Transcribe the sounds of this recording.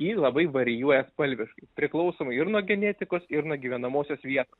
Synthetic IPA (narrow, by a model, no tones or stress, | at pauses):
jiːlˠɐbɐɪʋɐɾʲɪjuɔjɛspɐlʲʋʲɪʃkɐɪpʲɾʲɪklˠɐʊsoːmɐɪɪɾnuɔɡʲɛnʲeːt̪ʲɪkoːsɪɾnuɔɡʲiːʋʲɛnɐmoːsʲoːsʋʲiɛt̪oːs